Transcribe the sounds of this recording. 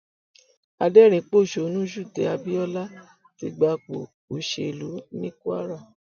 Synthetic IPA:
a˧dɛ˦˨ɾ̃ĩ˨˦k͡po˦˨ʃo˨˧nũ˦ʃu˦˨tɛ˨˦a˧bi˦ɔ˦la˦ | ti˧˦ɡ͡ba˧k͡po̰˨ | o˨ʃe˧˨e˨lu˨˦nĩ˦ku˦a̰˦ɾa˦˨

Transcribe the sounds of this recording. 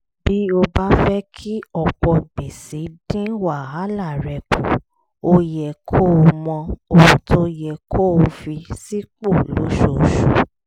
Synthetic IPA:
b̥i˦o˧ba˦fɛ˦kʰi˦ɔ˨k͡pɔ˧ɡ͡be˨si˨˦dĩ˦wa˦˨ɦa˨˦la˦˨ɾɛ˨kṵ˨ | o˧jɛ˨kʰo˦o˧mɔ̃˧o˨ũ˨tʰo˦jɛ˧˨kʰo˦o˧fi˧si˦k͡po˦˨lo̰˨˦ʃo˨ʃṵ˨

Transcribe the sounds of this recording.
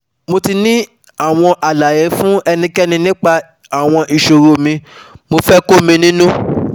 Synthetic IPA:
mo˧ti˧nĩ˦ | a˦˨w̃ɔ̃˧ʔa˨la˨je˨˦fũ˦ɛ˧nĩ˧kɛ˦nĩ˧nĩ˦k͡pa˧ | a˨w̃ɔ̃˧ʔi˨ʃo˨ɾo˨mĩ˧mo˧fɛ˦ko˦mĩ˧nĩ˦nũ˦

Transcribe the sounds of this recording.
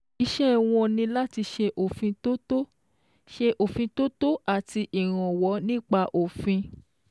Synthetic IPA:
i˧ʃɛ˦˨w̃ɔ̃˧nĩ˧la˦ti˧ʃɛ˧ʔo˨fĩ˧to˦to˦ | ʃɛ˧ʔo˨fĩ˧to˦to˦a˦˨ti˧ʔi˨ɾ̃ɔ̃˨wɔ˨˦nĩ˦k͡pa˧ʔo˨fĩ˧

